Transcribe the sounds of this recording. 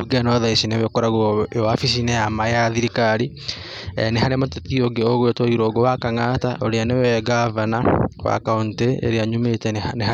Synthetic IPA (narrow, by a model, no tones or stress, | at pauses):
uɡɛnɔðaisinewekɔɾaɣjoafisinejamajaðiɾikaɾi | ɛnehaɾemototioɡeoɣwetoiɾoɡowakaŋataʔoɾeanewɛɡavanawa̰kaunteḛɾeaɲumetɛneha